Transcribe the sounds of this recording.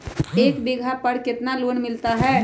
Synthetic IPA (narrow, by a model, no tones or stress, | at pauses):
eːkbeːɡʱapəɽkɪt̪naloːnmɪlt̪aɦɛː